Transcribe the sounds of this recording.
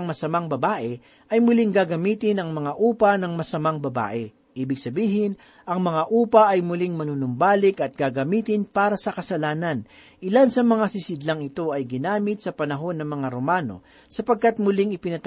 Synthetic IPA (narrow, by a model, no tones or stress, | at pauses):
ŋmɐsɐmaŋbɐbaːʔɛ | ʔɐjmʊlɪŋɡaɡɐmiːt̪ɪnɐŋmɐŋaʔuːpɐnɐŋmɐsɐmaŋbɐba̰ːʔɛ | ʔiːbɪɡ̚sɐbiːɦɪn | ʔɐŋmɐŋaʔuːpɐʔɐjmʊlɪŋmɐnunʊmbaːlɪkɐt̪̚ɡaɡɐmiːt̪ɪnpaːɾɐsɐkɐsɐlaːnɐn | ʔɪlansɐmɐŋasɪsɪd̪laŋɪt̪o̞ʔɐjɡɪnaːmɪt̪̚sɐpɐnɐɦo̞nːɐŋmɐŋaɾomaːno̞̰ | sɐpɐɡ̚kat̪̚mʊlɪŋɪpɪnɐt̪